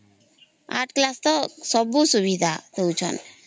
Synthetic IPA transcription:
a̰ʈklast̪ɔsɔbusuʋid̪ʱat̪ɔut͡ʃʰɔ̰n

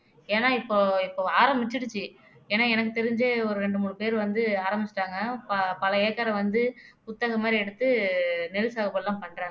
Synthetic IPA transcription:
eːnaːɪpːoːɪpːoːaːɾɐmbɪt͡ʃːɪɽɯt͡ʃːɯ | ɛːnaːɛnɐk̬ːɯt̪ɛɾɪɲd͡ʒeːɔɾɯɾɛɳɖɯmuːɻɯpeːɾʋɐnd̪ɯaːɾɐmbɪt͡ʃːɪ̥ʈːaːŋɡɐpɐpɐlɐeːkːaːɾɐ̃ʋɐnd̪ɯpʊt̪ːɐɣɐmːaːd̪ɾiɪɛɽɯt̪ːɯnɛlɯsaːɣɐpːoːɽlːãːmpɐɳːɾãː

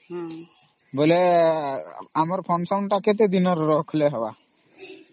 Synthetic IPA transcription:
bɔle | amɔɾpʰɔnsaɳʈaket̪̬ed̪inɔɾːɔkʰleɦɛba̰

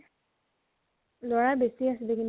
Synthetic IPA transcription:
lɔɹabesiasilekin

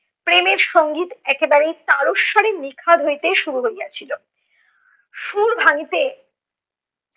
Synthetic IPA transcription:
pɾemeɾʃoŋɡit̪ɛkebaɾejt̪aɾoʃːɔɾenikʰad̪ɦojt̪eʃuɾuɦojat͡ɕʰilo | ʃuɾbʱaŋit̪e

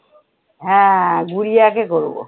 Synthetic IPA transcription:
ɦɛ̃ɡuɽijakekoɾbo̰

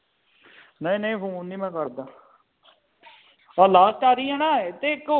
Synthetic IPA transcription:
nəĩːnəĩːfũːnniːmɛ̃ːkəɾd̪aː | əlaːst̪aːɾiːãnãːet̪eːk

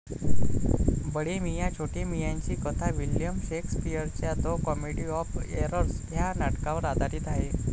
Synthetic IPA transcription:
bəɽimijat͡ɕʰoʈimijãɲt͡ɕiːkət̪ʰaʋiljəmɕekspijəɾt͡ɕjad̪okɔmeɽiɔfeɾəɾsjanaʈkãʋəɾad̪ʱaɾiːt̪aɦe

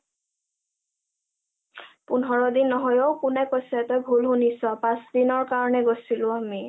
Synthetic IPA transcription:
punɦɔɹɔdinːɔɦɔjowkʊnɛkojsɛtɔjbʱulɦunisɔpãsdinɔɹkaɹɔnɛɡosilʊ̃ami

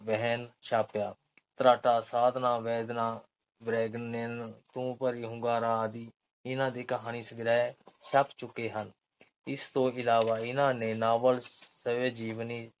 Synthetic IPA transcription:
ʋɛɦənʃʰaːpjaː | t̪ɾaːʈaːsaːd̪naːʋɛːd̪nãː | bɾɛːɡənːent̪ũːpəɾiːɦʊ̃ŋɡaːɾaːd̪iː | ɪnãːd̪eːkəɦaːniːsəɡɾɛːʃʰaːpt͡ʃʊkːeːɦən | ɪst̪õːɪlaːʋaːɪnãːneːnaːʋəlsəʋeːd͡ʒiːʋniː

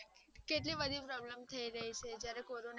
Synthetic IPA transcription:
keʈ̬libəd̪ʱipɾɔbləmt̪ʰəiɾəɦit͡ʃʰed͡ʒjaɾekoɾon

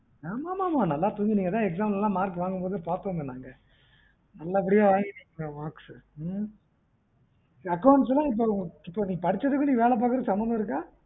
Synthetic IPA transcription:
aːmaːmaːmaːnɐlːaːt̪uːɲɡiniːŋɡɐt̪ãːɛks̬aːmlɛlːãːmaːɾkːɯʋaːŋɡɯmpoːðɯpaːɾt̪oːnd̪ɯnaːŋɡɐ | nɐlːɐɛp̬ːɐɽɪjaːʋaːŋɡiniʋaːks | ɐkːɐʊɳʈs̬lːãːɪp̬ːoːɪpːoːniːɐpɐɽɪt͡ʃːɐðɯkːɯniːʋeːɭɛp̬aːkɯɾɐðsɐmbɐnd̪ɐ̃ɪɾɯkːaː

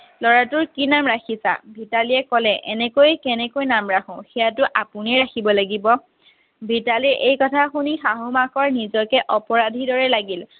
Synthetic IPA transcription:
lɔɹatʊɹkinamɹaxʰisa̰bʱitaliɛkɔlɛʔɛnɛkojkɛnɛkojnamɹaxʊ̃xijatʊʔapʊniɛɹaxʰibɔlaɡibɔ | bʱitaliɹʔejkɔtʰaxunixaɦʊmaxɔɹnizɔkɛʔɔpɔɹadʱidɔɹɛlaɡil

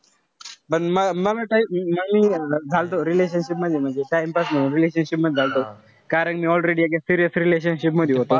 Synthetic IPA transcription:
bəʈmɐmɐbʈajməmĩːd͡zʱalt̪oɾileːʃ̬ənʃipməd̪ʱjeməeʈajmpasməɾileːʃənʃipməd̪d͡zʱalt̪o | kaːɾə̃ŋkmĩɔlɾeɽiaɡesiɾijəsɾileːʃənʃip̬məd̪ʱjeɦot̪o

